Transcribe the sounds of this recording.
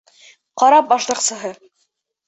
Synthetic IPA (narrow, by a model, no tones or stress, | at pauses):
qɑɾɑp̚bɑʃlˠɤ̆qsɤ̆ɦɤ